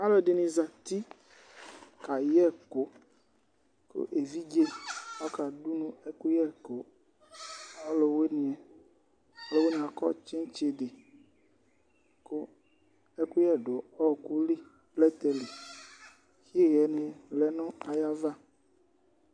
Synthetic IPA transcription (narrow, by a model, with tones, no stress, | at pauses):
a˦lɔ˨de˨nĩ˨za˨t̪i˦ | ka˨jɛ˦˨ko˨˦ | ko̰˦ʔe˨vi˦d͡ʒe˦ɔ˦ka˨du˦nũ˦e˦ku˦jɛ˦ko˨˦ | ɔ˦lo˨we˦nĩ˨ɛ˨ | ɔ˦lo˨we˦nĩ˨a˨kɔ̰˦t͡ʃe˦n˦t͡ʃe˨dɪ˨ | ko˦ | e˦ku˦jɛ˦˨ɖo˨ɔ˦˨ku˦li˦ | plɛ˦t̪ɛ˨le˨ | xi˦e˦ɣɛ˨nẽ˨lɛ˦nɔ̃˦a˨ja˦va˦